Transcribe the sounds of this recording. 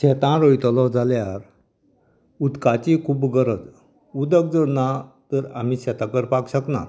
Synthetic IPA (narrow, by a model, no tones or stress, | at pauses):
ɕɛt̪ãɾojt̪ɔlɔd͡zaljaɾ | ud̪kat͡ɕikʰuːpɡəɾəd͡z | ud̪ək̚d͡zənat̪əɾam̤iɕɛt̪ãkəɾpakɕəkna̰ɾ